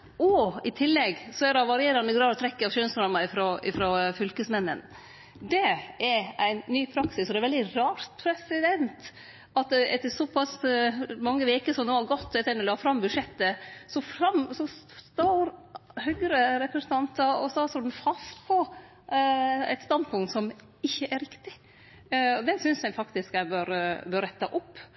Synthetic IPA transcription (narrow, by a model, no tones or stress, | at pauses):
ɔɪt̪ʰɪlːɛɡsɔɛɾɑʋɑɾɪeːɾɑnəɡɾɑːʋɔt̪ʰɾɛkːəɑʋʃøːnsnɑɾmɑɪfɾoɪfɾɔfʏlkəsmɛnːə̰n | d̪ɛɛɾæɪnːyːpʰɾɑksɪsɔd̪ɛɾʋɛld̪ɪɾɑːɾt̪pʰɾɛsɪd̪ɛnt̪ | ɑt̪ɛt̪ːəsɔpʰɑsmɑŋːəʋeːkəsɔmd̪oːɑɾɡɔt̪ːɛt̪ːɛnɛlɑːfɾɑmːbʉdʂɛt̪ːəsɔfɾɑmsɔst̪oːɾhœɡɾəɾɛpɾɛsənɑnt̪ɑɔsɔst̪oːd̪n̩fɑst̪pʰɔ | æ̰ɪt̪st̪ɑnd̪pʰʊŋt̪sɔm | ɪçːəʔæɾɪkt̪ɪ | ɔd̪ɛnsʏnsjæɪfɑkt̪ɪskæbøːɾbøːɾɛt̪ːɑʔɔpː